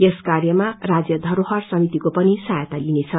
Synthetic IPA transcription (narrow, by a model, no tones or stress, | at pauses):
eskarjʌmarad͡zjʌd̪ʱʌɾoɦʌrsʌmit̪ikopʌnisajt̪alinet͡sʰʌ